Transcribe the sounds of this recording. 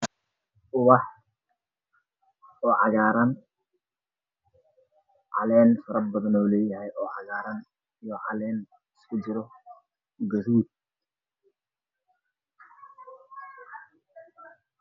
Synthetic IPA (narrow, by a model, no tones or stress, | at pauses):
ʔʊɣɑh | ɔːʕɑɣaːɾɐn | ʕɑ̰lɛːnfɐɾɐbɐðɐnɔːlɛːjɐɦɛjʔɔːʕɑ̰ɣaːɾɐn | ijɔʕɑ̰lɛːn | ɪskʰʊd͡ʒɪɾɔ | ɡɐɾuːd̪̚